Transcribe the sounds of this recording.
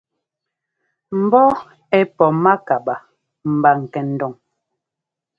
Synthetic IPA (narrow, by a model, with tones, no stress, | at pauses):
m̩˨bɔ˦ | ɛ˨pɔ˨ma˦ka˨ba˨ | m̩˨ba˨ŋ̩˨kɛ˨n̩˨dɔ˨ŋ